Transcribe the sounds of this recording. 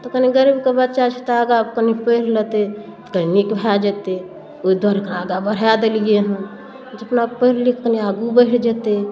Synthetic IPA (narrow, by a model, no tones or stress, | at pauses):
t̪okəniɡəɾibkebətːʃat͡ʃʰit̪aɡabkənipəiɾlət̪et̪kəninikbʱad͡ʒət̪e | oid̪waɾkɾaɡabəɾ̤ad̪elijeɦə | d͡ʒəpnaɡ̚pəɦɾlikkəneaɡubəɦɽd͡ʒət̪e